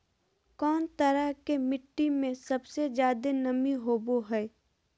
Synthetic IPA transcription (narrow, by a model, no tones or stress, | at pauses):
kɔːnt̪əɾəɦkemɪʈːimẽsɐbsed͡ʒjaːd̪enɐmiɦoːboɦɛː